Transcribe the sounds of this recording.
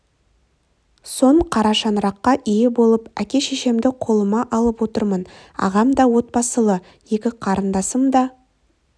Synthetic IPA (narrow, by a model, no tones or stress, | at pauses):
so̞ɴqʰɑɾɑʃɑnɾɑqːɑʔijɪbo̞lˠəpækʲe̞ʃeʃe̞md̪ɪqʰo̞lˠəmɑʔɑlˠəpwo̞t̪əɾmən | ɑ̰ʁɑmd̪ɑwo̞t̪̚pɑsəlˠə | je̞kʲɪqʰɑɾənd̪ɑsəmd̪ɑ